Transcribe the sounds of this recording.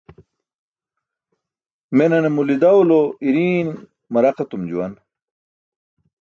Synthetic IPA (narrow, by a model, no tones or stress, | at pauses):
menɐnemulid̪ɐwloiɾiːn | mɐɾɐqet̪umd͡ʑuwɐn